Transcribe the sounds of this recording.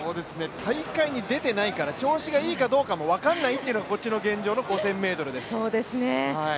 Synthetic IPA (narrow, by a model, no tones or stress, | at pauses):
so̞ːd̪e̞sɨne̞t̪ʰaikaiɲ̟id̪e̞t̪e̞naikaɾat͡ɕo̞ːɕiɡaiːkad̪o̞ːkamo̞βakãnːait̪ːe̞iɯ̟noɡako̞t͡ɕːino̞ɡẽ̞ɲ̟d͡ʑo̞ːno̞ɡo̞sẽ̞mːe̞ːt̪o̞ɾɯ̟d̪essoːd̪e̞sɨneai